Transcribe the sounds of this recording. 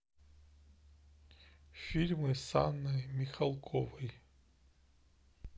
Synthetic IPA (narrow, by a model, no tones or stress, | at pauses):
fʲilʲmɨsanːɨjmʲɪxɐlˠkʰovɨj